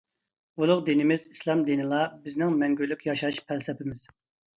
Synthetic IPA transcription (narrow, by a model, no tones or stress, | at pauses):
ulˠʊqd̪inɪmɪzislˠɑmd̪inɨlˠɑbɪznɪŋmɛŋɡʲylːykʲjɑʃɑʃpʰælsɛpɪmɪz̥